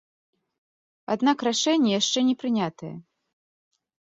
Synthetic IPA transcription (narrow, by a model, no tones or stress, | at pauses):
a̰d̪nakraʂɛnʲːɛjaʂt͡ʂɛnʲɛpɾɨnʲat̪ɐjɛ̰